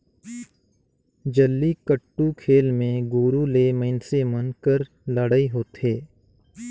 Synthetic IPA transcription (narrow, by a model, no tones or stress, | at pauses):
d͡ʒəlːikəʈːukʰeːlmẽɡuːɾuleːməɪnsemənkəɾ | ləɽaiɦoːt̪eː